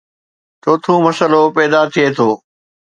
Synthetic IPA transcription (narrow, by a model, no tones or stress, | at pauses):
t͡ʃoːt̪ʰũmɐsəlopɛːd̪at̪ʰiet̪ʰoː